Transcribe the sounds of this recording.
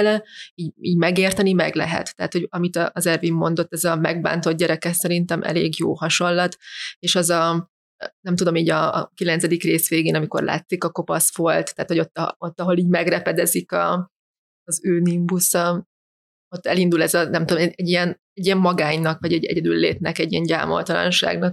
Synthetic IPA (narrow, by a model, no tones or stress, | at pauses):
lɛiːɟiːɟmɛɡeːrt̪ɛnimɛ̰ɡlɛ̰ɦɛ̰t̪ːɛɦːt̪ho̞ɟɒmit̪ɒʔːzɛrvimːo̞̰n̪d̪o̞t̪ːɛzɒmɛ̰ɡ̚ba̰ːnt̪o̞d̪̚ɟɛɾɛkɛsɛɾint̪ɛmʔɛ̰lḛːɡjo̰ːhɒʃo̞nlɒt̪eːʃɛzɒ | nɛmt̪ud̪o̞miːɟɒ̰ːkilɛnsɛd̪ikreːsʋeːɡeːnɒmiko̞̰rlʔa̰ːt̪sikɒko̞pɒsfo̞lt̪t̪ːɛːt̪ho̞ɟot̪ːot̪ːɒɦo̞liːɟmɛɡrɛpɛd̪ɛzikɒː | zøːnimbusɒ | o̞t̪ːɛlind̪ulɛzɒnɛmt̪ud̪oɛɛɟːijɛn | ɛɟiɛmːɒɡaːɲnɒkʋɒɟɛɟɛ̰ɟɛd̪ylːḛːt̪nɛkɛɟːiɛɲɟa̰ːmo̞̰lt̪ɒlɒ̰nʃa̰ːɡnɒk̚